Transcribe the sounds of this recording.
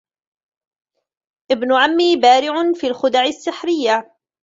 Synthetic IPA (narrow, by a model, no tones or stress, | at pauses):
ʔɪbnʊʕamːiːbaːɾɪʕʊnfiːlxʊd̪aʕɪsːɪħɾɪjːa